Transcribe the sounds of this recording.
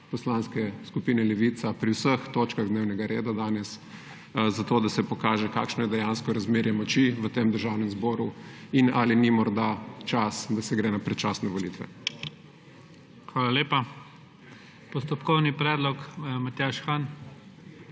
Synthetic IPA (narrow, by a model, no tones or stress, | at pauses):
pɔslanskɛskupiːnɛlɛʋit̪sapɾiwsəxt̪oːt͡ʃkaɣd̪neːwnɛɡaɾeːd̪ad̪aːnɛs | zat̪oːd̪asɛpɔkaːʒɛka̰ːkʃnɔjɛd̪ɛjanskɔɾazmeːɾjɛmɔt͡ʃiʋət̪emd̪əɾʒawnɛmzboːɾuinalinimɔɾd̪at͡ʃasd̪asɛɡɾɛːnapɾɛt͡ʃaːsnɛʋɔlit̪ʋɛ̰ | xʋaːlaleːpa | pɔst̪ɔpkɔwnipɾɛːd̪lɔkmat̪aʃxan